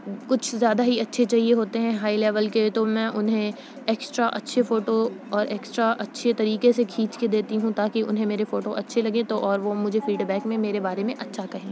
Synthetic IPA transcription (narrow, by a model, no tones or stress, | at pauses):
kʊt͡ʃʰzjaːd̪aɦiɐtːʃʰet͡ʃaːɦieɦoːt̪eɦɛ̃ɦaːileːʋəlket̪omɛ̃ːʔʊnɦẽ | eːksʈɾaʔɐtːʃʰefoːʈoɔːɾeːksʈɾaʔɐtːʃʰet̪ɐɾiːkesekʰiːt͡ʃked̪eːt̪iɦũt̪aːkiʔʊ̰nɦẽmeːɾefoːʈoʔɐtːʃʰelɐɡẽt̪oʔɔːɾʋomʊd͡ʒʱefiːɖbɛːkmẽmeːɾebaːɾemẽʔɐtːʃʰakɐɦẽː